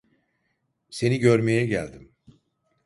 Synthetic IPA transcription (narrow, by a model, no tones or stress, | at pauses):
se̞niɟøɾme̞jɛɟæ̰lʲd̪im